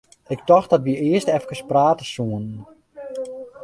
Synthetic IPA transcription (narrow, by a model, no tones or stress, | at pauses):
ɪk̚tɔxtdɔtʋiɪəstɛfkəspraːtəsuən